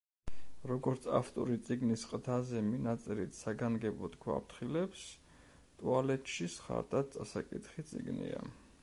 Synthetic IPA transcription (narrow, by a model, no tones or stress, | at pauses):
ɾɔɡɔɾt̪sʰa̰ft̪ʼɔɾit̪sʼiɡnisqʼd̪azɛminat̪sʼiɾit̪ʰsaɡanɡɛbɔt̪kʰwa̰pt̪ʰχilɛps | t̪ʼualɛt̪ʼʃisχa̰ɾt̪ʼat̪̚t̪sʼasakʼit̪χit̪sʼiɡnḭa̰